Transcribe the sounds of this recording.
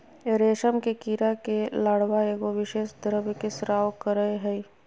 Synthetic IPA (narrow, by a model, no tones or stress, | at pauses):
ɾeːʃəmkekiːɾakelaːɽʋaeɡoʋɪʃeːʃd̪əɾəʋkɪsɾaːokəɾəeɦɛi